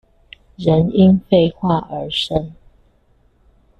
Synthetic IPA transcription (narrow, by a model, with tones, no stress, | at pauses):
ɻə˧˦˥ni˥nfe˥˧ɪxwa˥˩ʔə˞˨˧˥ʂə˥n